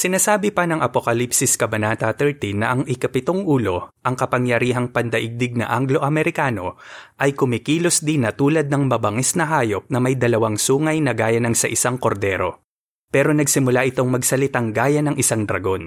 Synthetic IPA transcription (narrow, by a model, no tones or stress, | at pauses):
sɪnaːsaːbɪpɐnɐŋʔɐpokɐlipsɪskɐbɐnaːt̪ɐt̪ɛɹt̪inːɐʔɐŋʔɪkɐpɪt̪o̞ŋʔuːlo̞ʔɐŋkɐpɐŋjɐɾiːɦɐŋpɐnd̪ɐʔɪɡ̚d̪ɪɡ̚nɐ̰ʔaŋɡlo̞ʔɐmɛɾɪkaːno̞ʔɐjkʊmɪkiːlo̞sd̪inɐt̪uːlɐd̪̚nɐŋmɐbɐŋɛsnɐɦaːjo̞p̚nɐmɐjd̪ɐlɐwaŋsuːŋɐjnɐɡaːjɐnɐŋsɐʔɪsaŋko̞ɾd̪ɛːɾo̞̰ | pɛːɾo̞nɐɡsɪmʊlaʔɪt̪o̞ŋmɐɡsɐlɪt̪aŋɡaːjɐnɐŋʔɪsaŋd̪ɾɐɡo̞n